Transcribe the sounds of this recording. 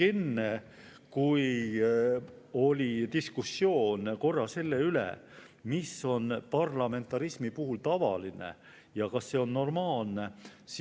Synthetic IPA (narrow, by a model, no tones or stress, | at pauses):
e̞nːe | kuj | o̞lʲit̪iskusːjo̞ːnko̞rːɑse̞lːe̞ylḛ | misːo̞npɑrlɑme̞nt̪ːˑɑɾismipuɦult̪ɑvɑ̰line̞̰ | jɑkɑsːe̞o̞nːo̞rmɑːlnes